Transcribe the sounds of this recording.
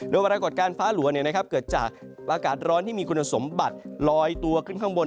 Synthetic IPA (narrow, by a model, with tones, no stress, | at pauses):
dɯ˧jwa˧ɾaː˧ko˨˩t̪̚kaː˧nfaː˦˥lu˩˦ɐni˥˩ɐna˥kʰa˦˥p̚kɤː˨˩t̪̚t͡ɕa̰ː˨˩k̚ʔaː˧kaː˨˩t̪̚ɾɔː˦˥nt̪ʰiː˥˩miː˧kʰu˧nʔa˧so˩˦mba˨˩t̪̚lɔː˧jt̪u˧ɐkʰɯ˥˩nŋkʰa˥˩ŋbo˧n